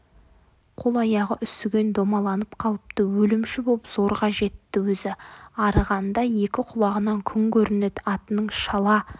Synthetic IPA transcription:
qʰo̞lˠɑjɑʁəʔʏst̪ɪɡʲe̞nd̪omɑlˠɑnəp̚qʰɑlˠəp̚t̪əwɵlɪmʃɪboəpz̥o̞ɾʁɑʒe̞t̪ːɪwɵzɪɑɾəʁɑnd̪ɑje̞kʲɪqʰʊlˠɑʁənɑŋkʲʰʏŋkʲʰɵɾɪnet̪ɑt̪ənəɴʃɑlˠɑ

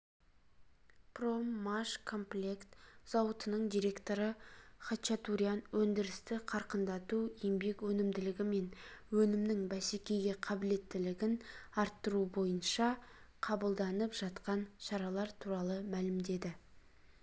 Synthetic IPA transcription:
pro̞mːaʃkʰo̞mplʲekt̪z̥ɑwət̪ənəɴd̪ijɾe̞kt̪o̞ɾəχɑt͡ʃat̪uɾijanwɵnd̪ɪɾɪst̪ɪqʰɑɾqənd̪ɑt̪uembe̞kwɵnɪmd̪ɪlɪɡʲɪme̞nwɵnɪmnɪŋbæsekʲe̞jɡʲe̞qʰɑbɪle̞t̪ːɪlɪɡʲɪnɑɾt̪ːəɾubo̞jənʃɑqʰɑbəlˠd̪ɑnəpʒ̥ɑt̪qɑnʃɑɾɑlˠɑɾt̪ʰuɾɑlˠəmælɪmd̪e̞d̪ɪ

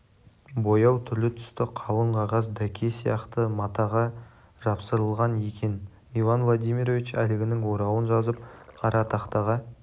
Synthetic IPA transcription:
bo̞jɑwt̪ʰʏɾlɪt̪ʰʏ̥st̪ɪqʰɑlˠəɴqʰɑʁɑs̬d̪ækʲʰe̞sijɑqt̪əmɑt̪ɑʁɑ | ʒ̥ɑpsəɾəlˠʁɑne̞kʲʰe̞n | ivɑnvlˠod̪ijmʲiɾo̞vit͡ʃælɪɡʲɪnɪŋwo̞ɾɑwənʒɑzəp̚qʰɑɾɑt̪ʰɑqt̪ɑʁɑ

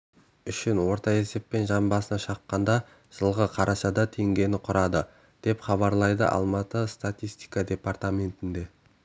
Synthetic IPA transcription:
ʏʃɪnwo̞ɾt̪ɑe̞se̞pːe̞nʒɑmbɑsənɑʃɑqːɑnd̪ɑ | ʒ̥əlˠʁəqʰɑɾʔɑʃɑd̪ɑt̪ʰeŋɡʲe̞nɪqʰʊɾɑd̪ə | d̪̥e̞pχɑβɑɾlˠɑjd̪ə̰ʔɑ̰lˠmɑt̪əst̪at̪ʲijst̪i̥jkad̪ʲe̞part̪amʲe̞nt̪ɪnd̪e̞

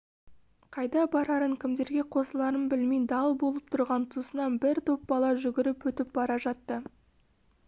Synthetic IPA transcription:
qʰɑjd̪ɑbɑɾɑɾəŋkʲʰɪmd̪e̞ɾɡʲe̞qʰo̞səlˠɑɾənbɪlmejd̪ɑlˠbo̞lˠəp̚t̪ʰʊɾʁɑnt̪ʰusənɑnbɪɾt̪ʰo̞p̚bɑlˠɑʒʏɡʲɪɾɪpɵt̪ɪp̚bɑɾɑʒɑt̪ːə

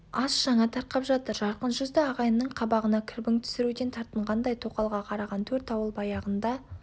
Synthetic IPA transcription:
ɑsʒɑɴɑt̪ʰɑɾqɑpʒɑt̪əɾʒɑɾqənʒʏzd̪ɪɑʁɑjənːəɴqʰɑbɑʁənɑkʲʰʏɾbɪŋt̪ʰʏ̥sɪɾud̪e̞nt̪ʰɑɾt̪əɴʁɑnd̪ɑjt̪ʰo̞qɑlˠʁɑqʰɑɾɑʁɑnt̪ʰɵɾt̪ɑwəlˠbɑjɑʁənd̪ɑ

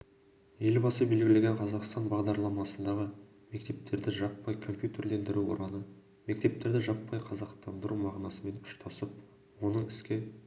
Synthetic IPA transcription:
je̞lbɑsəbe̞lɡʲɪle̞ɡʲeɴqʰɑzɑqst̪ɑnbɑʁd̪ɑɾlˠɑmɑsənd̪ɑʁə | me̞kt̪e̞p̚t̪e̞ɾd̪ɪʒɑpːɑjkʰo̞mpʲjut̪e̞rle̞nd̪ɪɾuwo̞̰ɾʔɑnə | me̞k̚t̪e̞p̚t̪e̞ɾd̪ɪʒɑpːɑjqʰɑzɑqt̪ɑnd̪əɾumɑʁnɑsəme̞nʊ̥ʃt̪ʰɑsəp̚ | wo̞nəɴɪskʲe

